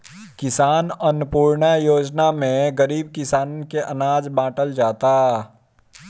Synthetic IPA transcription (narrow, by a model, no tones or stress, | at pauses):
kɪsaːnənʊpuːɾɳajoːd͡ʒnamẽɡəɾiːb̚kɪsaːnkeʔɐnaːd͡ʒbãːʈəld͡ʒaːt̪a